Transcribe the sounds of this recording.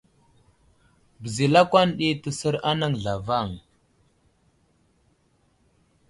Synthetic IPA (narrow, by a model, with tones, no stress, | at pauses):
bə˨zi˨la˦kʷa˦nɗi˦tə˨sə˦ɾa˦na˦ŋɮa˨va˦˨ŋ